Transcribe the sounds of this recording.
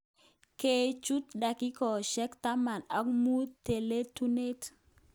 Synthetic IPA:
ke˨t͡ʃu˦t̪da˨kɪ˦kɔ˨ʃɛ˦kt̪a˦ma˨na˦k̚mu˦t̪e˨le˦tu˦ne˦t

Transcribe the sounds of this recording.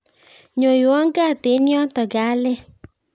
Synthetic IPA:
ɲo˨jo˨ɔ˦ŋ˦ɡa˦˨te˨˦ni˦ɔ˦tɔ˨ɡa˨˦le˦

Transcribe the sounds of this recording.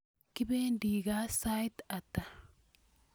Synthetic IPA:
kɪ˦beː˦nd̪iː˨ɡaː˦sa˦jt̪ɐ˨t̪ːa˨

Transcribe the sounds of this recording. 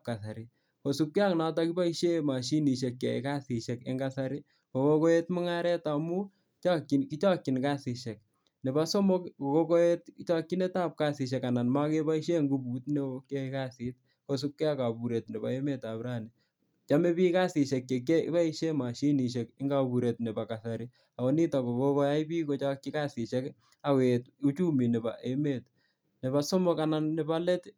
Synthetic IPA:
p̚ka˨sa˨ɾi˦ | ko˨su˦kki˦a˦ŋna˦ta˦ki˦ba˦i˦ʃe˦ma˨ʃi˦ni˨ʃ̬e˨kːkḛ˨ḭ˦ka˦si˨ʃe˨kɪ̰˦ŋɡasa˦ɾi˦ | ko˨ko˦ko˦e˦tmʊ˦ŋa˦ɾɛ˦ta˨mu˦ | t͡ʃa˦ki˨nki˦t͡ʃa˦kːi˨nka˦si˨ʃe˨k̚ | ne˨ba˦so˦mo˦ko˨ko˦ko˦e˦tkit͡ʃa˦kːi˦ne˦taː˦p̚ka˦si˨ʃ̬e˨ka˨na˨nma˦ke˦pa˦i˦ʃe˦ŋɡu˦bu˨tne˦o˦ke˦ika˦si˨˦t̚ | ko˦s̬u˦kːɛ˦a˦ka˨bu˨ɾe˨tne˨ba˨e˦me˦ta˨bɾa˦ni˨ | t͡ʃa˦me˦piː˦ka˦sɪ˨ʃɛ˨kje˨kḛ˦pa˦i˦ʃe˦ma˨ʃi˦ni˨ʃe˨kɪ˦ŋɡa˦bu˨ɾe˨tne˨ba˨ka˨sa˨ɾi | a˨o˦ni˦ta˨ko˨ko˦kɔ˦ja˦i˦pi˦ko˦t͡ʃa˦kːi˦ka˦sɪ˨ʃe˦k | a˨kwe˨tu˦t͡ʃu˦mi˨ne˨ba̰˨ʔe˦me˦t | ne˨ba˨sɔ˦mɔ˦ka˨na˨nːe˨ba˦le˦t

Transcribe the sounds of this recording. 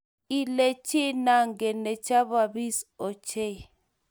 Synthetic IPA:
i˦le˨t͡ʃe˦na˨ŋɡɛ˨nɛ˨t͡ʃa˦βa˨βi˦sɔ˨t͡ʃe˦˨

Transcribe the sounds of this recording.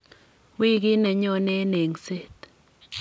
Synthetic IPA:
wi˦ɡi˦nɛ˨ɲɔ˦ne˦ne˨ŋse˦t̪

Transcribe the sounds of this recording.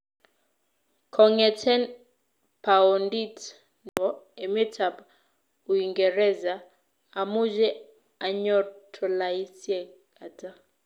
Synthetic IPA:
kʰɔ˨ŋɛ˨tʰɛ˦n | pa˨ɔ˨ndi˦t | nɔ˦e˨me˦tʰa˨b | u˨i˨ŋɡɛ˨ɾɛ˦zaː˨ | mu˦d͡ʒɛ˦ | a˨ɲɔ˦tʰɔ˨la˨i˦sjɛ˦ | a˨ta˦

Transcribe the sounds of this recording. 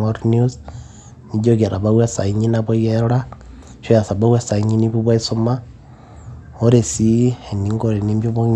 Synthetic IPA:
aɾnus | ni˨d͡ʒoke˨ɾa˨βawe˦sa˨iɲi˦naβo˦jeɾa˦ | ʃo˦ja˨sa˨βa˦we˦sa˨iɲiniboβwa˦isoma | o˦ɾe˨si˦e˨niŋɡoɾeni˦mbjoβo

